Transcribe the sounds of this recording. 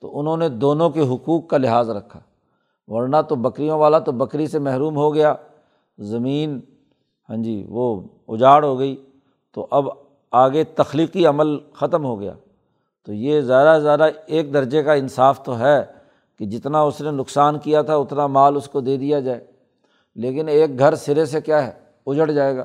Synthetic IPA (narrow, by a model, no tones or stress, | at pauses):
t̪o̰ʔʊnɦõned̪oːnõkeɦʊkuːkːalɪɦaːzɾɐkʰːaː | ʋɐɾnat̪obɐkɾijõʋaːlat̪obɐkɾisemɛɦɾuːmɦoɡɐjaː | zɐmiːn | ɦã̰ːd͡ʒḭːʋo | ʊ̰d͡ʒaːɽɦoɡɐi | t̪oʔɐb | aːɡet̪ɐxliːqiɐməlxɐt̪əmɦoɡɐja̰ː | t̪ojezjaːd̪azjaːd̪aeːk̚d̪ɐɾd͡ʒekaɪ̃nsaːft̪oɦɛː | ked͡ʒɪt̪naʊsnenʊksaːnkijat̪ʰaʊt̪namaːlʊskod̪eːd̪ijad͡ʒaːeː | leːkɪneːk̚ɡʱɐɾsɪɾesekjaːɦɛ | ʊd͡ʒəɽd͡ʒaːeːɡa̰ː